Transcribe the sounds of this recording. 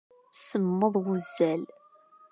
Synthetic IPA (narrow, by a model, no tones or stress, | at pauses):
səmːəðˤwuzːæl